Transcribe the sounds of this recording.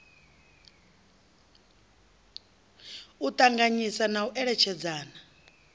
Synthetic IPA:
ut̪ʼaŋɡaɲisanauʔɛɺɛt͡ʃʰɛd͡zaːna

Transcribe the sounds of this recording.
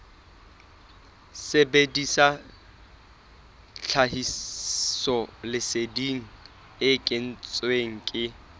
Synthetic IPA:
sebedisa | t͡ɬʰaɦisɔlɪsediŋ̩ | ɪkʼɪn̩t͡sʼweŋ̩kʼɪ

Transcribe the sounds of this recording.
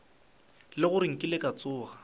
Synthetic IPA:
lɪɣʊɾɪŋ̩kʼɪlɪkʼat͡sʼʊːɣa

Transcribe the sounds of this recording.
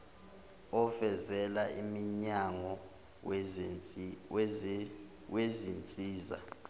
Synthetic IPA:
ɔfɛzɛlaimiɲaŋɔ | w | wezint͡sʼiːza̰

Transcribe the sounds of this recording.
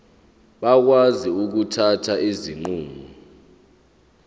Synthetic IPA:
ɓak̬waziuk̬utʰatʰaʔiziŋ͡ǃuːŋu

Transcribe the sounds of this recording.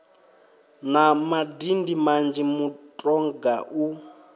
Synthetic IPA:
namadindimand͡ʒimutʼɔŋɡaʔu

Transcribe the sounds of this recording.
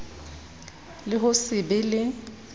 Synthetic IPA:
lɪɦʊsɪbɪlɪ

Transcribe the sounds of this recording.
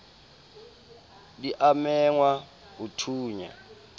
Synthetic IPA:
diʔamɛŋwa | ɦutʰuːɲa̰

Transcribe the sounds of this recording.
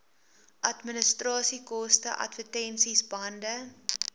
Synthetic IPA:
ʔɐtmənəstrɑːsikɔstəʔɐ̰tvətɛnsisbɐndə

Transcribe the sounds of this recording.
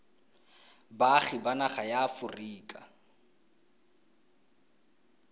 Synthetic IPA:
baχɪbanaχajafʊriːkʼa̰

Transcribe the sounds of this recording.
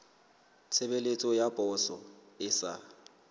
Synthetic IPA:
t͡sʰebelet͡sʼɔjabʼʱɔsɔ̰ | ɪsa̰

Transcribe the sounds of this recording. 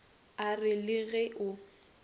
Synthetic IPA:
arɪlɪɣɛʔʊ

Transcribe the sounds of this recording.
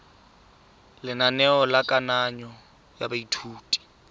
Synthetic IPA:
lɪnanɛɔlakʼanaɲɔ | jabaitʰuːtʼi̥

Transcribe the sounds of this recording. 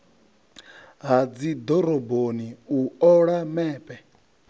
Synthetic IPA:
ɦad͡zid̪ɔɾɔboniuɔɺamɛːpʼɛ

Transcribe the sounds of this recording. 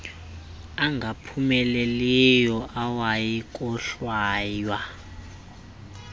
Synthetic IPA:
aŋɡʱapʰumɛlɛlɛjɔʔawajikʼɔɬwaːjwa

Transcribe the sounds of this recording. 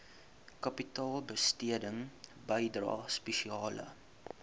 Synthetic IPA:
kɐpitɑːlˠbəstiədəŋbəjdrɑ̰ːspɛʃiɑːlə̰

